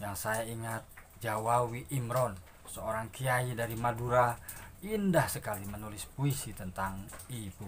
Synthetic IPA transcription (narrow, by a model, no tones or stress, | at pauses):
jaŋsajaiŋat̪̚ | d͡ʒawawiʔimɾɔn | səoɾaŋkiaidaɾimaduɾa | indahsəkalimənulɪspuisit̪ənt̪aŋibu